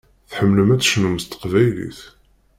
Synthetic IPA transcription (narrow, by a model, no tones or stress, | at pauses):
θħəmːləmæt͡sːʃnuməst̪ə̥qvæjlḭθ